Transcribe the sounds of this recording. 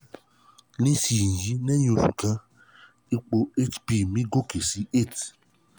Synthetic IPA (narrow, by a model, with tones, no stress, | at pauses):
nĩ˦si˨ji˨˦nɛ̃˦jõ˧˨lṵ˨kã˧˦ | i˦k͡po˧e˦tpi˦˨mĩ˦ɡo˦ke˨si˨˦e˦˨t